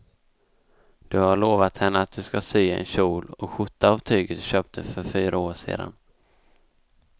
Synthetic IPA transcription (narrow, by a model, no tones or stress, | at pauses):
d̪̥ɵhaɭoːvat̪hɛnːəat̪̚d̪ɵskasyːɛ̰nɕuːlɔkɧʊt̪ːaːvt̪ʰyːɡət̪ɕøːp̚t̪ʰəfœɾfyːɾaoːʂḛːd̪a̰n